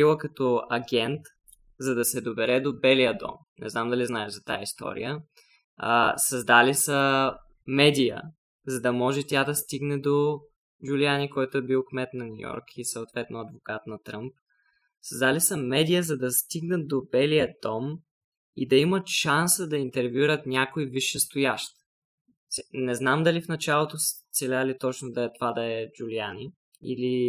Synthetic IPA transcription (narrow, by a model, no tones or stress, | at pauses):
ilˠəkɐt̪ɔɐɡʲɛnt̪ | zɐd̪ɐsɛd̪obɛɾɛd̪obɛlijəd̪ɔ̰m | nʔɛ̰znamd̪ɐliznaɛʒzɐt̪a̰j̰ist̪ɔ̰ɾḭjə | sɐzd̪alisə | mɛd̪ijə̰ | zɐd̪ɐmɔʒɛt̪ʲad̪ɐst̪iɡnɛd̪o | d͡ʒulianikɔjt̪oɛbilˠkmɛt̪nɐnʲṵjɔ̰ɾkʰisəot̪vɛt̪noɐd̪vokat̪nɐt̪ɾɤmp̚ | sɐzd̪alisəmɛd̪ijəzɐd̪ɐst̪iɡnəd̪obɛlijəd̪ɔm | id̪ɐimət̪ʃansəd̪ɐint̪ɛɾvʲjuɾət̪nʲakoiviʃɛst̪ʊjaʃt̪ | snɛznamd̪ɐlifnɐt͡ʃalˠot̪ost̪sɛlʲalit̪ɔt͡ʃnod̪ɐɛt̪ovad̪ɐɛd͡ʒulia̰ni | ḭli